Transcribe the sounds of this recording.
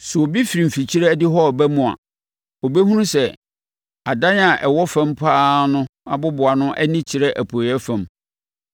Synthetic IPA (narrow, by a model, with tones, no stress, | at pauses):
sʊ˨o˨bi˦fi˨ɾi˨fi˨t͡ɕʰi˦ɾɛ˦dɪ˦ɦɔ˦˨bæ˦mʊ̃˨a̰˨ | o˨be˦ɦũ˦ũ˦sɛ˨ | a˨dã˦n˦a˨ʔɛ˨wɔ˦fã˦mpʰaː˦nʊ̃˦a˨bʊ˦bʊ˨a˨nʊ̃˦ʔæ̰˦nĩ˦t͡ɕʰɪ˨ɾɛ˦ʔæ˨pʰo˨ɛ˦fã˨m